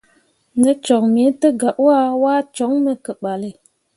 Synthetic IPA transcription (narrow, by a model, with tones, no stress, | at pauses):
ŋə˦t͡ʃɔ˨ŋme˨˦tə˦ɡa˨ʔwa˦wa˦t͡ʃɔ˨˦ŋmə˨kə˨ɓa˨lə˨